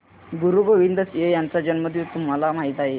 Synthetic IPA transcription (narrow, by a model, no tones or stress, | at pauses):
ɡuɾuɡoʋind̪əsjejant͡sad͡ʑənməd̪ʱjut̪um̤alam̤aɦit̪aɦe